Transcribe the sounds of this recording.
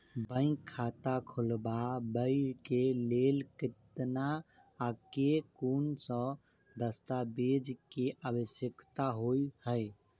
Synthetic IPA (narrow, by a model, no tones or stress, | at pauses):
bə̃ɪ̃ŋkʰːat̪akʰulbabəɪɾkelelkit̪naː | kekunsə̃ | d̪əst̪abed͡ʒkeʔabəsjəkt̪aɦoihəj